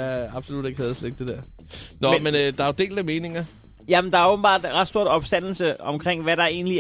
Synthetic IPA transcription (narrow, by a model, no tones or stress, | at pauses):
ɑ̈b̥solud̥eɡ̥hɛːð̩ˠsleɡ̥d̥e̝d̥ɛɐ̰ | nɒmenød̥ɑ̈æd̥e̝̰ːld̥æme̝ːne̝ŋɐ | jæmend̥ɑ̈æɐoːb̥n̩b̥ɑ̰̈ːd̥ʁɑd̥sdo̝ɐd̥ɒ̽b̥sd̥æn̰l̩səɒ̽mkʰʁeŋ̰ʋæɾɑ̈e̝̰ːnli